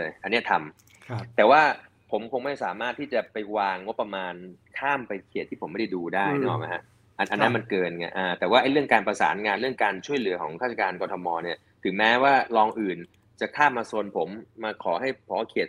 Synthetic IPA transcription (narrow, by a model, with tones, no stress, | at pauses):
ʔa˧nːi˦˥ɐ˩t̪ʰa˧m | t̪ɛː˨˩waː˥˩ | pʰo˩˦mkʰo˧ŋma˥˩jsaː˩˦maː˥˩t̪ʰːiː˥˩t͡ɕa˨˩pa˧jwaː˧ŋːo˦˥pːa˧maː˧nkʰaː˥˩mpa˧jkʰe˨˩t̪̚ʰiː˥˩o˩˦mḁ˥˩a˥˩jduː˧daː˥˦˩jnɔ̰ː˨˩ma˦˥jhʰa̰˦˥ | ʔa˧nʔa˧nːa˦˥nma˧nkɤː˧nŋa̰˧˩ʔaː˧t̪ɛː˨˩waː˥˩ʔa˥jɾɯ˥˩əŋkaː˧npɾa˧sa̰ː˩˦nŋaː˧nɾɯ˥˩əŋkaː˧nt͡ɕʰu˥˩əjlɯ˩˦ɐkʰɔ̰ː˩˦ŋʰkʰaː˥˩t͡ɕʰa˨˧˩kaː˧nkɔː˧t̪ʰɔ˧mɔː˧ni˥˩ɐ | t̪ʰɯ˩˦ŋmɛː˦˥waː˥˩lɔː˧ŋʔɯː˨˩n | t͡ɕa˨˩kʰaː˥˩mːaː˧su˧ənpʰo˩˦mːaː˧kʰɔː˩˦ɦa˥˩jpʰɔː˩˦˥kʰe˨˩t̪̚